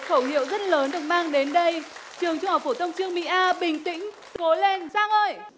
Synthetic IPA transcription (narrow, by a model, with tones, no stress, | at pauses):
xə˧˩whḭ˧˨əwzə˦˥t̚ləː˨˦nɗɨ˨˩ək̚maː˧ŋɗe˨˦nɗə˧jt͡ɕɨ˨˩əŋt͡ɕʊ˧ŋ͡mhaː˨˩w̚fo˧˩t̪ʰə˧wŋ͡mt͡ɕɨ˧əŋmḭ˧˨ʔaː˧ɓï˨˩ŋ̟t̪ḭ̈˧˥ŋ̟ | t̪o˨˦le˧nzaː˧˩ŋʔəː˧j